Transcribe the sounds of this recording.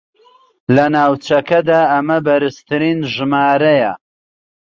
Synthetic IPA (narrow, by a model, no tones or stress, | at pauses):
lɐnaːwt͡ʃɐkɐd̪aːɐmɐbɐɾɨst̪ɨɾinʒɨmaːɾɐjɐ̰